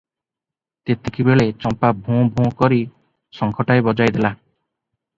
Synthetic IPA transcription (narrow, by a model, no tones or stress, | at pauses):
t̪et̪ekibeɭet͡ʃɔmpabʱũbʱũkɔɾi | sɔŋkʰɔʈaebɔd͡ʒajd̪ela